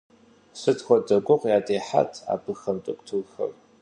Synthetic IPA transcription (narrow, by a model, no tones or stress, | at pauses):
sɨtxʷɔdɐɡʷɔqʷjaːdeːħa̰tʰa̰ːbɨxɐmtʼɨkʷʼtʰɨːxɐ̰r